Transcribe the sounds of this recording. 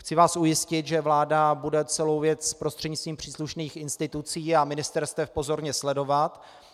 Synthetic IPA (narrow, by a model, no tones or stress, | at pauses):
xt͡sɪvaːsujɪscɪt̪ʒɛvlaːdabudɛt͡sɛlowvjɛt͡sspɾo̞st̪r̝̥ɛdɲɪt͡st̪viːmpr̝̥iːsluʃniːxɪnst̪ɪt̪ut͡siːamɪnɪst̪ɛɾst̪vɛfpo̞zo̞ɾɲɛslɛdo̞vat̪